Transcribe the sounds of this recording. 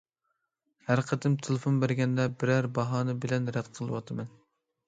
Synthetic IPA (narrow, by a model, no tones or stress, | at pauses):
hæɾqʰəd̪ɨmt̪ʰelˠɪfonbæɾɡʲɛnd̪ɛbɪɾæɾbɑɦɑːnɨbɪlɛnɾɛd̪qʰəlˠɨwɑt̪ʰɨmɛn